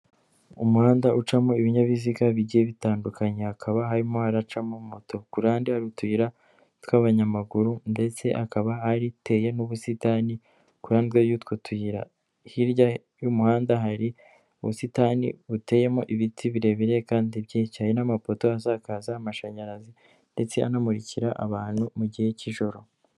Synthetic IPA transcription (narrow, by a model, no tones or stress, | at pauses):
umuhaːndaʔut͡ʃamo̞iβiɲaβiziɡaβiɟijeβitaːndukaɲeakʰaβaɦaɾimo̞haɾat͡ʃamomoto̞kuɾaːndihaɾutwiːɾa | tkaβaɲamaɡuɾunde̞t͡se̞ʔakaβahaɾite̞je̞nuβusitani | kuɾandɡwejutkutwiːɾa̰ | hiɾɟa | jumuhaːndaɦaɾi | uβṵsitaːnḭβute̞ːje̞moʔiβitʰiβiɾe̞βiɾe̞kaːndibɟecajinamapo̞to̞azakazaːmaʃaɲaɾazi | nde̞t͡se̞a̰namuɾiciɾaʔaβaːn̥humuɟihe̞ciʒo̞ɾo̞